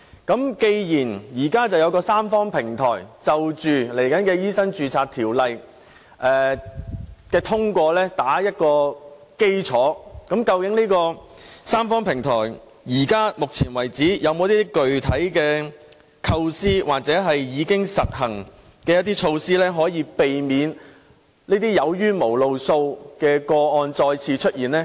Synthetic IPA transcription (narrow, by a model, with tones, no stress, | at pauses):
kɐ˨˥mke˧jjiː˨˩njiː˨˩kaː˥t͡sɐ˨wjɐ˨˧wkɔː˧saː˥mfɔː˥ŋpʰɪ˨˩ŋt̪ʰɔ̰ː˨˩jt͡sɐ˨wt͡ʃyː˨le˨˩jkɐ˨˥nkɛː˧jiː˥sɐ˥ŋt͡ʃyː˨t͡sʰaː˧t̪ʰiː˨˩wlɐ˨j | ʔɛː˨ | kɛː˧t̪ʰʊ˥ŋkʷɔː˧lɛː˥t̪aː˨˥jɐ˥t̚kɔː˧ | ke˥jt͡sʰɔː˨˥kɐ˨˥mkɐ˧wkɪ˨˥ŋnliː˥kɔː˧saː˥mfɔː˥ŋpʰɪ˨˩ŋt̪ʰɔː˨˩j | jiː˨˩kaː˥mʊ˨k̚t͡sʰiː˨˩nwɐ˨˩jt͡siː˨˥jɐ˨˧wmo˨˧wt̪iː˥t̪i˥kɵ˨ɥt̪ʰɐ˨˥jkɛː˧ | kʰɐ˧wsiː˥waː˨k̚t͡sɛː˨˥ɦɐ˨jjiː˨˧kɪ˥ŋsɐ˨t̚hɐ˨˩ŋ | kɛː˧jɐ˥t̪̬ːiː˥t͡ʃʰo˧wsiː˥lɛː˥ɦɔː˨˥jiː˨˧pe˨jmiː˨˧n | niː˥t̪iː˥jɐ˨˧wjyː˥mo˨˩wlo˨wso˧wkɛː˧kɔː˧ɔː˧nt͡ʃɔː˧jt͡sʰiː˧t͡ʃʰɵ˥t̚jiː˨˩nlɛː˥